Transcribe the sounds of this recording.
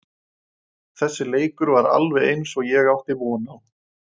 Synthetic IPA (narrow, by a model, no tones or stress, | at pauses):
θɛsːɪleːjkʏɾvaɾa̰lvɛðejnsɔɣjɛɣawht̪ɪvɔːnaw